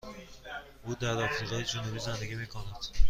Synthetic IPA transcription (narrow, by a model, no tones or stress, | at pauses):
uːd̪æɾd̪ɒfizɒjed͡ʒonubiːzand̪eɡʲimiːkʰonad̪̥